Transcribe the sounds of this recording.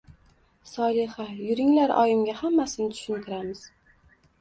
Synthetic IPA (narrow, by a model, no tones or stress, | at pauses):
sɒlɪhajʊɾɪŋlaɾʔɒ̰jɪmɡʲahamːasɪnɪt̪ʰʊ̥ʃʊnk̪ʰɪɾamɪz̥